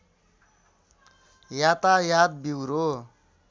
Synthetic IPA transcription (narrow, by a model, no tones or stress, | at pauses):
jat̪ajad̪̚biwɾo